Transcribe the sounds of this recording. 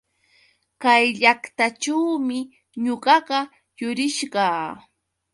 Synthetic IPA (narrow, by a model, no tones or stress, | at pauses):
kajʎakt̪aʈ͡ʂawmɪ | ɲoɢɑɢɑ | jʊɾɪʃɢɑː